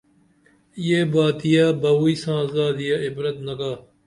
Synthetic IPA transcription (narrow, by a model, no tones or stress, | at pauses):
ɪjeːbaːt̪ijaːbaʋuːiːsãːzaːd̪ɪjaːɪbɾət̪nɐkaː